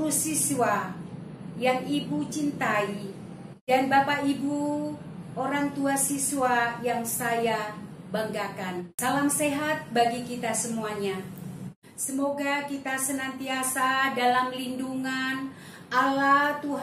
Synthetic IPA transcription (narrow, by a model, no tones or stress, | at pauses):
usiswa | jaŋibut͡ʃint̪ai | danbapaibu | oɾaŋt̪uasisuajaŋsajabaŋɡakansalamseɦat̪̚baɡikit̪asəmuaɲa | səmoɡakit̪asənant̪iasadalamlinduŋan | alat̪uɦ